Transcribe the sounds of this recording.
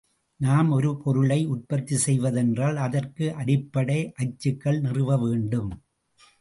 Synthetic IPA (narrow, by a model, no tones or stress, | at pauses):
naːmɔɾɯpʰɔɾɯɭɐɪʊʈ̚pɐt̪ːisɛjʋɐðɛndraːlɐðɐrkɯʔɐɽɪpːɐɽɐɪʔɐt͡ʃːɯkːɐɭnɪrɯʋɐʋeːɳɖɯm